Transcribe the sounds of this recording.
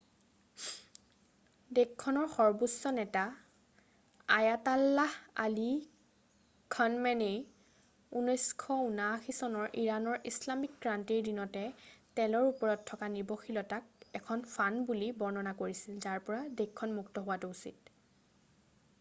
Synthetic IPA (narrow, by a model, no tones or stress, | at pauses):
dekʰːɔnɔɹxɔɹbusɔnɛta | ajatalːaha̰li | kʰɔnmɛnej | unɔjskʰɔunaxisɔnɔɹʔiɹanɔɹislamik̚ɡɹantiɹdinɔtɛtɛlɔɹupɔɹɔtʰːɔkanibɔxilɔtak̚ɛkʰɔnfʰanbulibɔɹnɔnakoɹisilzaɹpɔɹadekʰːɔnmuktɔɦʊwatuusit̚